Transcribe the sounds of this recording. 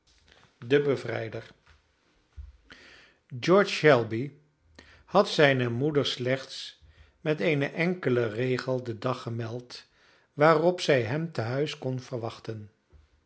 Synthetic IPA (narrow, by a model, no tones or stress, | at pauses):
dəbəvrɛ̰jdəɹ | d͡ʒɔɹt͡ʃɛlˠbi | hɑtsɛjnəmudəɹslɛχts | mɛtejnəʔɛŋkələrejχəlˠdədɑχəmɛlˠt | ʋaːrɔpsɛjɦɛmtəɦœɥskɔnv̥əɹʋɑχtən